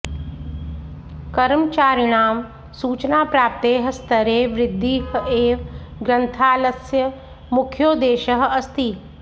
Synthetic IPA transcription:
kɐɾmt͡ʃaːɾɪɽ̃aːm | suːt͡ʃnaːpɾaːp̚t̪eːɦəst̪ʰəɾeːʋɾɪd̪ʱːiːɦeːʋ | ɡɾə̃nt̪ʰaːləsjə | mʊkʰjoːd̪eːʃəɦɐst̪iː

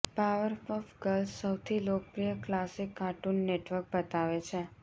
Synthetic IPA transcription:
paʋəɾfɔfɡəlssəwt̪ʰilok̚pɾijəklasikːaʈunːeʈʋəɾk̚bət̪aʋet͡ʃʰe

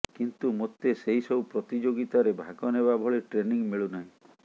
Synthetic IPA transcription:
kint̪umot̪eseɦisɔupɾɔt̪id͡ʒoɡit̪aɾebʱaɡɔnebabʱɔɭeʈɾeniŋmeɭunaɦĩ

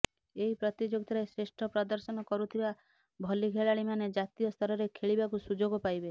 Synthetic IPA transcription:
eɦipɾɔt̪id͡ʒoɡ̚t̪ʰɾesɾesʈʰɔpɾɔd̪ɔɾsɔnɔkɔɾut̪ʰiba | bʱɔliɡʱeɭaɭimaned͡ʒat̪ijɔst̪ʰɔɾɔɾekʰeɭibakusud͡ʒoɡɔpajbe

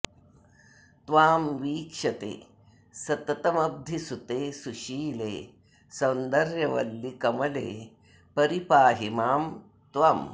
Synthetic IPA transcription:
t̪ʋaːmʋiːkʂɐt̪ḛː | sɐt̪ɐt̪ɐmɐb̚d̪ʱisut̪eːsuʃiːlḛː | sɐwnd̪ɐɾjɐʋɐ̰lːikɐmɐlḛː | pɐɾipaːɦimaːm | t̪ʋam

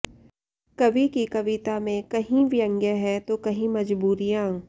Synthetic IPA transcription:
kɐʋikikɐʋɪt̪amẽkɐɦĩʋjə̃ŋɡjəɦɛt̪okɐɦĩmɐd͡ʒbuːɾijãː

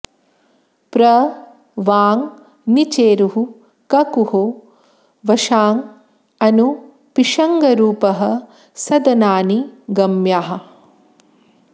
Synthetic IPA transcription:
pɾɐ | ʋaːŋ | nit͡ʃeːɾuɦu | kɐkuho | ʋɐʃaːŋ | ɐnu | piʂɐŋɡɐɾuːpɐɦɐ̆ | sɐd̪ɐnaːniɡɐmjaːɦɐ̆

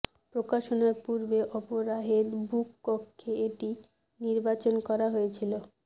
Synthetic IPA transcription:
pɾokaʃonaɾpuɾbeʔɔpoɾaɦeɾbukpokʰːeeʈi | niɾbat͡ɕonkɔɾaɦojet͡ɕʰilo

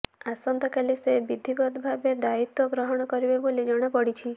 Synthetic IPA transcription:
asɔnt̪ɔkalisebid̪ʱibɔd̪bʱabed̪ait̪wɔɡɾɔɦɔɽ̃ɔkɔɾibebolid͡ʒɔɽ̃apɔɽit͡ʃʰi

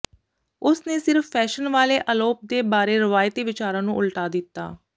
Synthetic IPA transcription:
ʊsneːsɪɾfːɛːʃənʋaːleːʔəloːp̚d̪eːbaːɾeːɾəʋaːjt̪iːʋɪt͡ʃaːɾãːnũːʔʊlʈaːd̪ɪt̪ːa̰ː

